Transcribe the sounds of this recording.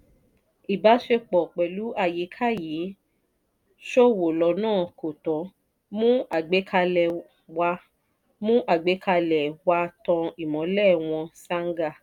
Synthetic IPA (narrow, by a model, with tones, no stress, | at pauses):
i˨ba˨˦ʃe˧k͡pɔ˨k͡pɛ˨lu˨˦a˧˨ji˨˦kʰa˦˨ji˨˦ | ʃo˦˨wo˨lɔ˧nãː˦˨ko˨tɔ̃˨˦ | mũ˦a˨ɡ͡be˨˦kʰa˧lɛ˨ | wa˧ | mũ˦ʔa˦˨ɡ͡be˨˦ka˧lɛ˨wa˧tɔ̃˧i˨mɔ̃˨˦lɛ˦˨w̃ɔ̃˧sa˦ŋ˦ɡa˦˨